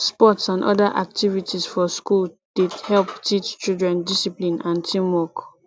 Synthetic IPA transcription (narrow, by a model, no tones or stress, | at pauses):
spɔtsãnʔɔ̰daʔa̰k̚tʰivitʰisfɔskul | d̥edhɛlptʰit͡ʃt͡ʃildɹɛ̃ndisiplĩnãntʰĩmwɔk